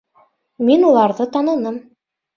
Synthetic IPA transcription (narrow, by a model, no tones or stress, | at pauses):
minulˠɑɾðɤt̪ɑnɤ̆nɤm